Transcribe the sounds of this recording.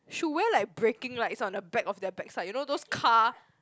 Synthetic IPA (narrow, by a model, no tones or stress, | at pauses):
ʃuwɛlaɪk̚bɹekɪ̃ŋlaɪtsɔ̃ndəbɛkɔfdɛbɛksaɪjunodoskʰa